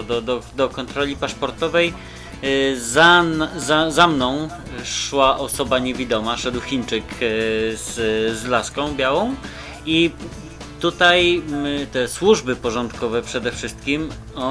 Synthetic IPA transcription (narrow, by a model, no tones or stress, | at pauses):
d̪ɔd̪ɔd̪ɔkɔnt̪ɾɔlʲipaʂpɔɾt̪ɔvɛj | zanzazamnɔ̃w̃ | ʂwaʔɔsɔbaɲevʲid̪ɔmaʂɛd̪wxʲint͡ʂɘk | z̥zlaskɔ̃w̃bʲjawɔ̃w̃ | i | t̪ut̪ajt̪ɛswuʐbɘpɔʐɔnt̪kɔvɛpʂɛd̪ɛfʂɘst̪̚kʲim | ɔ